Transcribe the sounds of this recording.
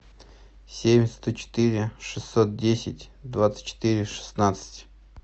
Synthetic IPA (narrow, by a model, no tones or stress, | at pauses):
sʲemʲst̪ot͡ɕɪ̥t̪ɨɾʲɪʂɨsʲːot̪̚dʲesʲɪtʲd̪vat̪sɨ̥t̚ʲt͡ɕːɪ̥t̪ɨɾʲɪʂɨ̥snat̪sɨ̥tʲ